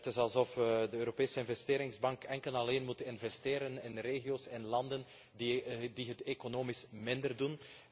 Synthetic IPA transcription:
tɪsɑlˠsɔfdəøːɾopeːsəɪnvɛsteːɾɪŋzbɑŋkɛŋkəlɑleːnmutɪnvɛsteːɾənɪnreːɣioːsɪnlɑndən | diɦətekonoːmismɪndərdun

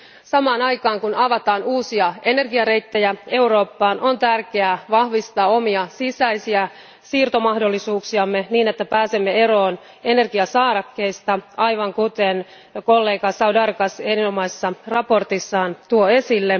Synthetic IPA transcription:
sɑmɑːnɑjkɑːŋkunɑʋɑt̪ɑːnuːsiɑe̞ne̞rɡiɑɾe̞jt̪ːejæe̞uɾo̞ːpːɑːnʔo̞nt̪ærke̞æʋɑhʋist̪ɑːo̞miɑsisæisiæ | siːrt̪o̞mɑhdo̞lːisuːksiɑmːe̞niːne̞t̪ːæpæːse̞mːee̞ɾo̞ːn | e̞ne̞rɡiɑsɑːɾɑkːe̞jst̪ɑɑjʋɑŋkut̪en | ko̞lːe̞ːɡɑsɑudɑrkɑsenino̞mɑisesːɑrɑpo̞rt̪isːɑːnt̪uoe̞silːe

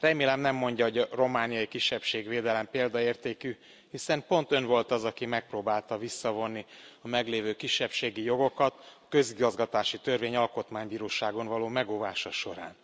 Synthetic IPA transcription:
rɛmeːlɛmnɛmːo̞ɲɟɒɦo̞ɟɒro̞maːnijɒjikiʃːɛpʃeːɡveːd̪ɛlɛmpeːld̪ɒeːrt̪eːky | hisɛmpo̞n̪t̪ø̞nvo̞lt̪ɒzɒkimɛk̚proːbaːlt̪ɒvisːɒvo̞nːiɒmɛɡleːvøːkiʃːɛpʃeːɡijo̞ɡo̞kɒt̪ɒkø̞ziɡɒzɡɒt̪aːʃit̪ø̞rveːɲɒlko̞t̪maːɲbiːɾoːʃaːɡo̞nvɒloːmɛɡoːvaːʃɒʃo̞ɾa̰ːn

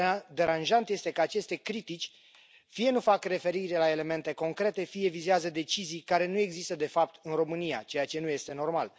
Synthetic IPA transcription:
d̪e̞ɾanʒant̪je̞st̪e̞kəat͡ʃe̞st̪e̞kɾit̪it͡ʃʲ | fije̞nufakre̞fe̞ɾiɾelae̞le̞me̞nt̪e̞ko̞ŋkɾe̞t̪e̞fije̞vizeazəd̪e̞t͡ʃizijkaɾe̞nue̞ɡzist̪əd̪e̞fap̚t̪ɨnro̞mɨnija̰t͡ʃe̞jat͡ʃe̞nuje̞st̪e̞no̞rmal

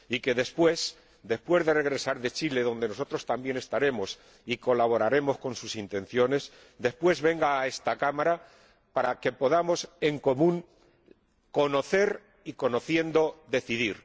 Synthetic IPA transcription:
ike̞ðe̞spwe̞s | d̪e̞spwe̞zðe̞re̞ɣ̞ɾe̞saɾðe̞t͡ʃile̞ðo̞nd̪e̞noso̞t̪ɾo̞st̪ambje̞ne̞st̪aɾe̞mo̞s | iko̞laβo̞ɾaɾe̞mo̞sko̞nsusint̪ẽ̞n̟θjo̞ne̞s | d̪e̞spwe̞zβe̞ŋɡaːe̞st̪akamaɾa | paɾake̞po̞ðamo̞se̞ŋko̞mũŋ | ko̞no̞θe̞ɾ | iko̞noθje̞nd̪o̞ðe̞θiðiɾ

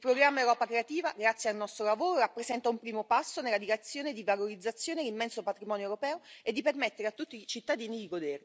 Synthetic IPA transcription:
ilpɾoɡɾamːaewɾɔːpakɾeat̪iːvaɡɾat̪sjealnɔst̪ɾolavoːɾoɾapːɾesɛnt̪aumpɾiːmopasːonelːad̪iɾet̪sːjoːned̪ivaloɾid̪zːat̪sːjoːnelimːɛnsopat̪ɾimɔːnjoeɛwɾopɛːoed̪ːipermet̪ːeɾeat̪ːut̪ːit͡ʃit̪ːad̪iːnid̪iɡod̪ɛr

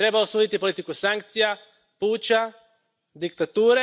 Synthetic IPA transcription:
t̪ɾe̞baosuːd̪it̪ipo̞lit̪ikusaŋk̚t̪sija | puːt͡ɕa | d̪ikt̪at̪uːɾe

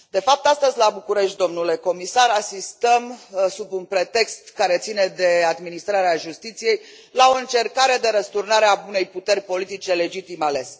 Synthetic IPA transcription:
d̪e̞fap̚t̪ast̪əzʲlabukuɾe̞ʃt̪̚d̪o̞mnule̞ko̞misaɾasist̪əmsubunpɾe̞t̪e̞kst̪kaɾe̞t̪sine̞d̪e̞ad̪minist̪ɾaɾeaʒust̪it̪sije̞j | lao̞ɨnt͡ʃe̞rkaɾe̞d̪e̞ɾəst̪urnaɾeabune̞jput̪e̞rʲpo̞lit̪it͡ʃe̞le̞d͡ʒit̪imale̞s

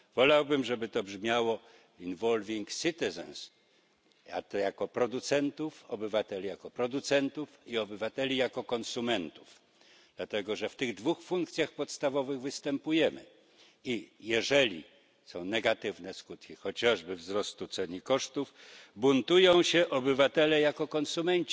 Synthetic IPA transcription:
vɔlawbɘmʐɛbɘt̪ɔbʐmʲjawɔ | invɔlvʲiŋksɨt̪ɛzɛ̰ns | a̰t̪ɔjakɔpɾɔd̪ut̪sɛnt̪ufɔbɘvat̪ɛlʲijakɔpɾɔd̪ut̪sɛnt̪ufiɔbɘvat̪ɛlʲijakɔkɔnsumɛnt̪uf | d̪̥lat̪ɛɡɔʐɛft̪ɘɣd̪vuxfuŋk̚t̪sʲjaxpɔt̪st̪avɔvɘɣvɘst̪ɛmpujɛmɘ̰ | ijɛʐɛlʲḭ | sɔ̃w̃nɛɡat̪ɘvnɛskut̪kʲixɔt͡ɕaʐbɘvzɾɔst̪ut̪sɛɲikɔʂt̪ufbunt̪ujɔ̃w̃ɕɛʔɔbɘvat̪ɛlɛjakɔkɔnsumɛɲt͡ɕi̥

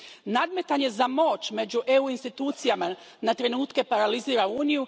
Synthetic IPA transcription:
nad̪me̞t̪aɲe̞zamo̞ːt͡ɕme̞d͡ʑuʔe̞uinst̪it̪uːt̪sijama | nat̪ɾe̞nuːt̪ke̞paɾaliziːɾauːniju

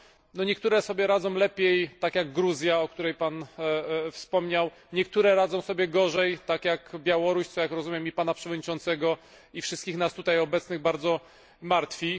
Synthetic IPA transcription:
nɔɲɛkt̪uɾɛsɔbʲjɛɾad̪zɔ̃w̃lɛpʲjejt̪akjaɡɡɾuzʲjaɔk̚t̪uɾɛjpan | fspɔmɲaw | ɲɛk̚t̪uɾɛɾad̪zɔ̃w̃sɔbʲjɛɡɔʐɛjt̪akjakbʲjawɔɾuɕt̪ɔjakɾɔzumjɛmipanapʂɛvɔd̪̚ʲɲit͡ʂɔnt̪sɛɡɔ | ifʂɘst̪̚kʲixnast̪ut̪ajɔbɛt̪snɘɣbaɾd̪zɔ | maɾt̪fʲi

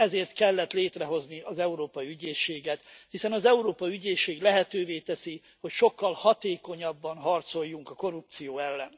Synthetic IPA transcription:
ɛzeːrt̪kɛlːɛt̪leːt̪rɛɦo̞zniɒzɛuɾoːpɒiyɟeːʃːeːɡɛt̪hisɛnɒzɛuɾoːpɒyɟeːʃːeːɡlɛɦɛt̪øːveːt̪ɛsi | ho̞cʃo̞kːɒlhɒt̪eːko̞ɲɒbːɒnɦɒrt̪so̞jːuŋkɒko̞rup̚t̪sijoːɛlːɛn

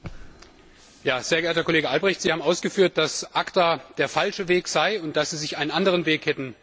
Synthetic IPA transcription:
jaːz̥eːɐɡəʔeːɐtɐkʰoleːɡəʔalbʁɛçtz̥iːhaːbmʔaʊsɡ̥əfyːɐt̚d̥asʔaktaːd̥eːɐfalʃəveːkz̥aɪʊnt̚d̥asz̥iːzɪçʔaɪnənʔandəʁ̞ənveːkhɛtn̩

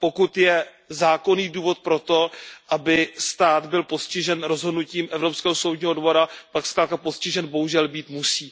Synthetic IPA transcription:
po̞kut̪jɛ | zaːkoniːduːvo̞t̪̚pɾo̞t̪o̞ʔabɪst̪aːd̪bɪlpo̞scɪʒɛnɾozɦo̞dnuciːmʔɛvɾo̞pskɛːɦosowdɲiːɦo̞dvo̞ɾapaksklaːt̪̚kapo̞scɪʒɛnbo̞ɦuʒɛlbiːt̪musiː

